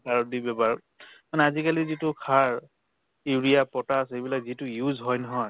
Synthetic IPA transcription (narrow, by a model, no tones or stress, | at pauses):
aɹɔdibɛbaɹ | manɛazikalizitʊkʰaɹ | iɹijapɔtasejbilakzitʊjuzɦɔjnɔɦɔj